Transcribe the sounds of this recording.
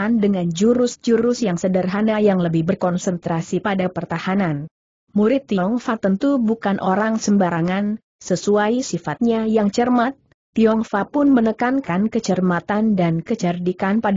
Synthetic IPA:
andəŋand͡ʒuɾʊsd͡ʒuɾʊsjaŋsədərɦanajaŋləbɪhbərkɔnsənt̪ɾasipadapərt̪ahanan | muɾɪt̪ːiɔŋfat̪ənt̪ubukanʔoɾaŋsəmbaɾaŋan | səsuajsifat̪̚ɲajaŋt͡ʃərmat̪̚ː | iɔŋfapʊnmənəkankankət͡ʃərmat̪andankət͡ʃərdikanpad

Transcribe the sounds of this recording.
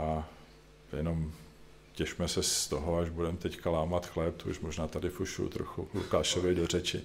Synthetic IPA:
ʔa | jɛno̞m | cɛʃmɛsɛst̪oɦoaʒbudɛmt̪ɛckalaːmat̪xlɛp̚t̪oṵʃmoʒnaːt̪adɪfuʃṵt̪ɾo̰xṵlukaːʃovɪdorɛt͡ʃɪ̰

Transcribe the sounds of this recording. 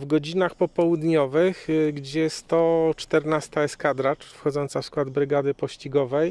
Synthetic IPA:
vɡɔd͡ʑinaxpɔpɔwud̪ɲɔvɘxɡd͡ʑɛst̪ɔt͡ʂt̪ɛɾnast̪aɛskad̪ɾat͡ʂfxɔd̪zɔnt̪safskwad̪bɾɘɡad̪ɘpɔɕt͡ɕiɡɔvɛj

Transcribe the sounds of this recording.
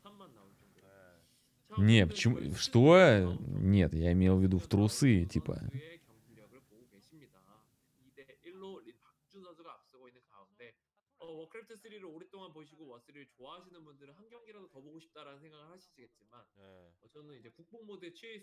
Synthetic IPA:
hamːanːaot͡ɕo | ɲet͡ɕimsto | ɲetjaimejovidutɾos͈ɯit͡ɕipa̰jo̰ekjʌŋɡuɾjʌɡɯɾeboɡoke̞ɕʰimɲida | ide̞iɭːoɾipak̚t͡ɕunsʰad͡ʑuɡaːp̚s͈ɯɡoinːɯnkaunde̞ | ʌwʌkʰɯɾetʰɯs͈ʰɯɾiɾɯɭoɾet͈oŋanpoɕ̬ʰiɡowʌs͈ʰɯɾiɾɯɭt͡ɕoaɦaɕʰinɯnbundɯɾɯnhanɡjʌŋɡiɾadokʌboɡoɕʰi̥p̚t͈aɾanɯnsʰe̞ŋɡaɡɯɭhaɕʰisʰiɡe̞t̚t͡ɕ͈imanʌt͡ɕʌnɯnid͡ʑe̞kuk̚pomodet͡ɕʰi

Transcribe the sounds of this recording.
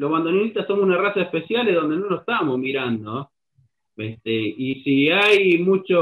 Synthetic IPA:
loɦβand̪oninit̪asomosunarasaehpesjaleðo̞nd̪enonose̥t̪amozmiɾand̪o | est̪eisiajmut͡ʃo

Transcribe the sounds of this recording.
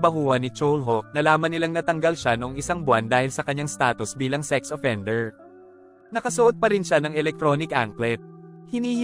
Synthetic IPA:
bɐɦuːɐnɪt͡ʃolɦok̚nɐlaːmɐnːɪlaŋnɐt̪ɐŋɡɐlʃanoŋʔɪsaŋbwand̪aːhɪlsɐkɐɲːaŋst̪aːt̪ʊsbiːlɐŋsɛksʔofɛnd̪ɛɹ | nɐkɐsʊʔod̪̚pɐɾɪnʃanɐŋɛlɛk̚t̪ɾo̞nɪkʔaŋklɛt̪̚hɪnhih

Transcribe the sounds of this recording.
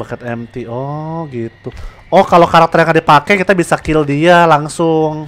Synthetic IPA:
bakət̪̚ɛmt̪iɔɡit̪u | ɔhkalokaɾak̚t̪ɛrjaŋadipakɛkit̪abisakildialaŋsʊŋ

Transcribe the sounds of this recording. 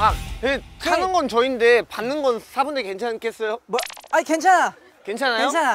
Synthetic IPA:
aekʰanɯnɡʌnt͡ɕʌinde̞panːɯnɡʌnsʰabundeke̞nt͡ɕʰank͈ʰe̞s͈ʌjomʌaikent͡ɕʰana | kent͡ɕʰanajot͡ɕʰana

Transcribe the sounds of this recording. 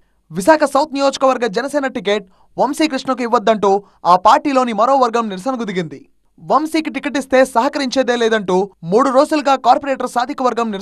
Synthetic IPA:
ʋisaːkʰɐsɐwt̪nijoːd͡ʒɐ̥kɐʋɐɾɡɐd͡ʒɛnɐseːnɐʈik̬eːʈ̚ | ʋɐmsiːkɾiʂɳɐk̬uiʋːɐd̪ːɐɳʈuː | aːpaːɾʈiːlo̞ːnimɐɾo̞ːʋɐɾɡɐmniɾsɐnɐkud̪iɡind̪i | ʋɐmsiːkiʈikeʈ̬ist̪e̞ːsɐɦɐkɐɾiɲt͡ʃeːd̪e̞ːleːd̪ɐɳʈuːmuːɽuɾo̞ːd͡ʒuluɡaːkaːɾpɐɾeːʈɐɾsaːd̪ʱikɐʋɐɾɡɐmniɾ

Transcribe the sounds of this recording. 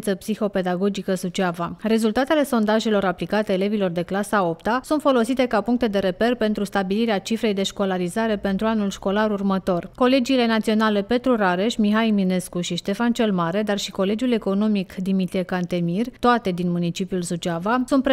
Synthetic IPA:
nt̪səpsixo̞pe̞d̪aɡo̞d͡ʒikəzut͡ʃavare̞zult̪at̪e̞le̞so̞nd̪aʒe̞lo̞ɾaplikat̪eːle̞vilo̞rd̪e̞klasao̞pt̪asunt̪fo̞lo̞sit̪e̞kapuŋk̚t̪e̞d̪e̞ɾe̞pe̞rpe̞nt̪ɾust̪abiliɾeat͡ʃifɾe̞jd̪e̞ʃko̞laɾizaɾe̞pe̞nt̪ɾuanulʃko̞laɾurmət̪o̞rko̞le̞d͡ʒiːle̞nat̪sio̞nale̞pe̞t̪ɾuɾaɾe̞ʃmiɦajmine̞skuʃiʃt̪e̞fant͡ʃe̞lmaɾe̞d̪arʃiko̞le̞d͡ʒjule̞ko̞no̞mikd̪imit̪ɾijekant̪e̞mirt̪oat̪e̞d̪inmunit͡ʃipiulzut͡ʃavasunt̪pɾe

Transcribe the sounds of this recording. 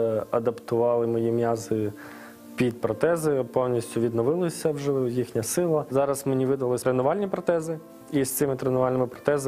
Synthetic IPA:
ɐd̪ɐpt̪ʊʋɑlˠɪmɔjimjɑzɪ | pʲid̪̚pɾɔt̪ɛzɪpɔwnʲisʲtʲʊʋʲid̪nɔʋɪlˠɪsʲɐwʒɛjixnʲɐsɪlˠɐzɑɾɐsmenʲiʋɪd̪ɐlˠɪt̪ɾenʊʋɑlʲnʲipɾɔt̪ɛzɪ | ist̪sɪmɪt̪ɾenʊʋɑlʲnɪmɪpɾɔ̥t̪ɛz

